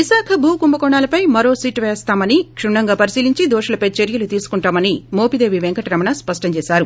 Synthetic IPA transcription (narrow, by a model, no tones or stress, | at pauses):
ʋiʃaːkʰɐbʱuːkumbɐkɔɳaːlɐpɐjmɐɾo̞ːsiːʈʋeːst̪aːmɐnikʂumɳɐŋɡaːpɐɾisiːliɲt͡ʃid̪oːʂulɐpɐjt͡ʃeɾjɐlut̪iːsu̥kuɳʈaːmɐnimoːpid̪eːʋiʋeŋkɐʈiɾɐmɐnɐspɐʂʈɐɲt͡ʃeːsaːɾu